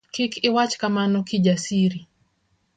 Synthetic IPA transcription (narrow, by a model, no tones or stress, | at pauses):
kɪkʰɪwat͡ʃkamanɔkid͡ʒasiɾi